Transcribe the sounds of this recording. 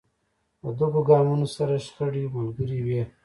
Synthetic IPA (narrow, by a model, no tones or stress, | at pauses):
əd̪əkoɡɑːmunosaɾaʃxəɽimalɡəɾiwe